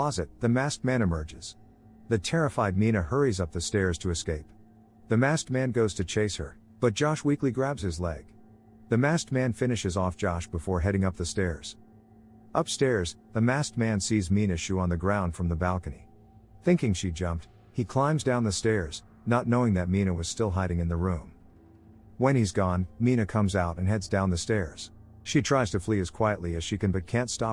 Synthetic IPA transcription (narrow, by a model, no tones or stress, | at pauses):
ɑzɨt̪̚ðɨmæst̚mæ̃ɾ̃ɨmɜ˞d͡ʒɪz̥ | ðɨtʰɛɹɨfaɪd̚mĩñɨhɜ˞izʌp̚ðɨstɛɹz̥tʰɨːskeɪp̚ | ðɨmæst̚mæ̃nɡoʊz̥tʰɨt͡ʃʰeɪshə̰˞ | b̥ʌt̚d̥ʒ̥ɑʃwikliɡɹæbz̥ɨzlɛɡ̥ | ðɨmæst̚mæ̃nfɪ̃ñɨʃɨzɔfd̥ʒ̥ɑʃb̥əfɔɹɦɛɾɪ̃ŋʌp̚ðɨstɛɹz̥ | ʔʌpstɛɹzðɨmæst̚mæ̃nsizmĩnɨʃʉə̃nðɨɡɹãʊ̃nd̥fɹʌ̃mðəbælˠkɨnḭ | θɪ̃ŋkɪ̃ŋʃid͡ʒʌ̃mp̚t̚ | hikʰl̥ãɪ̃mzdãʊ̃nðɨstɛɹz̥ | nətⁿnoʊɪ̃ŋðɨt̚miɾnɨwʌz̥stɪlˠɦaɪɾɪ̃ŋɨ̃nðəɹũm | wə̃nizɡɔ̃nminɨkʰʌ̃mzaʊɾɨ̃nɦɛdzdãʊ̃nðɨstɛɹz̥ | ʃitʰɹ̥aɪz̥tʰɨfliɨz̥kʰw̥aɪɨʔˡliɨz̥ʃikɨ̃nbʌt̚kʰæ̃ntstɑ